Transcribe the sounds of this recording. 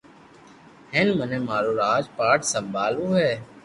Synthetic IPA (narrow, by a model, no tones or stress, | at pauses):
henmənẽːmaːɾoːɾaːd͡ʒpaːʈsəmbʱaːluːɦɛː